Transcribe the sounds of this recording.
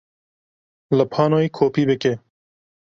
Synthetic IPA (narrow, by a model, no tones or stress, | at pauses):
ləpʰɑːnoːikʰoːpiːbekeː